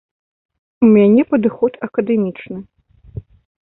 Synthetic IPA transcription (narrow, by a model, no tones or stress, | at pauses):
umʲanʲɛpɐd̪ɨxɔt̪ɐkɐd̪ɛmʲit͡ʂnɨ